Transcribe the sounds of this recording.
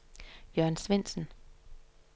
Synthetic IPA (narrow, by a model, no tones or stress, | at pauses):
jœɐnsʋen̰sn̩